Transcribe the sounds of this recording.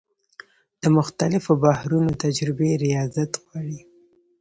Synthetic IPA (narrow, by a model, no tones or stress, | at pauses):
d̪̥əmʊxt̪alɪfobahɾunot̪ad͡ʒɾɪbeɾijɑzat̪ɣwɑɽi